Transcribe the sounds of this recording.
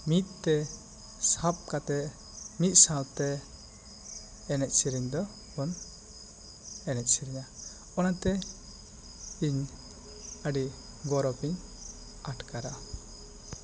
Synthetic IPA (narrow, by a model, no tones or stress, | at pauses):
mit̪̚ˀt̪ɛ | sap̚kat̪ɛ | mit̪̚ˀsalt̪ɛ | nɛt̪̚siɾiɲd̪ɔ | bɔn | ɛnɛt̪̚siɾiɲa | ɔnat̪ɛ | iɲ | əɖi | ɡɔɾɔpiɲ | aʈkaɾa